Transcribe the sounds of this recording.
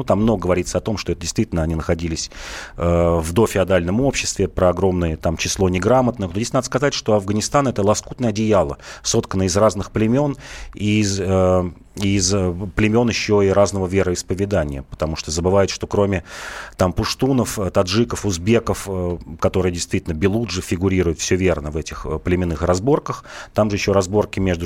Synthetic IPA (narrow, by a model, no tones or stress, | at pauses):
nut̪amːnoɡəɡəvɐɾʲit̪səɐt̪o̞mʂt̪oɛt̪ədʲɪst̪vʲitʲɪlʲnəɐnʲinəxɐdʲilʲɪsʲəvd̪o̞fʲɪɐd̪alʲnəmo̞pɕːɪst̪vʲɪpɾəɐɡɾo̞mnɨjət̪amt͡ɕɪslˠo̞nʲɪɡɾamət̪nənodʲesʲtʲnad̪əskɐzatʲʂt̪o̞ɐvɡənʲɪst̪anɛt̪əlˠɐskut̪nəjəɐdʲɪjalˠəso̞t̪kənəɪzraznɨxplʲɪmʲo̞nizə | izplʲɪmʲo̞njɪɕːo̞iɾaznəvəvʲeɾəɪspəvʲɪd̪anʲɪjə̰pə̥t̪ɐmuʂt̪ozəbɨvajɪt̪ʂt̪o̞kɾo̞mʲɪt̪ampʊʂt̪unəfət̪ɐd̪ʐɨkəfʊzbʲe̞kəfəkɐt̪o̞ɾɨjədʲɪjst̪vʲitʲɪlʲnəbʲɪlˠud̪ʐɨfʲɪɡʊɾʲiɾʊjɪt̪fsʲovʲe̞rnəvɛtʲɪxəplʲɪmʲɪnːɨxrɐzbo̞rkəxt̪amʐɨjɪɕːo̞ɾɐzbo̞rkʲɪmʲeʐd̪ʊ